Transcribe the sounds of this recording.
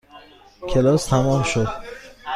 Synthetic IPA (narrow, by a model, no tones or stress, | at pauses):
cʰe̞lɒːst̪ʰæmɒːmʃod̪̥̚